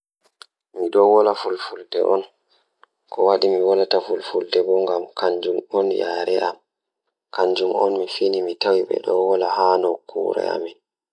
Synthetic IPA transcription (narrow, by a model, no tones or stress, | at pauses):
miɗɔwɔlafulfuldɛ̰ʔɔn | kʰɔwaɗimiwalatafulfuldɛbɔŋɡamkʰaɲd͡ʒumɔnja̰ːɾɛʔam | kaɲd͡ʒumɔnmifinimitawiɓɛ̰ɗɔwɔlahaːnɔkʰṵːɾɛ̰a̰min